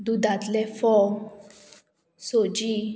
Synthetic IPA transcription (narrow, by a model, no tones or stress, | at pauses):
d̪ud̪at̪lɛfɔ | sod͡ʒi